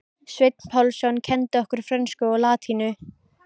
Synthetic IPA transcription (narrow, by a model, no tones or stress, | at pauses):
svejt̪̚n̥pʰawlsjɔwncʰɛnt̪ɪɔhkʏɾ̥fɾɛnskʏɔɣlaːt̪ʰinʏ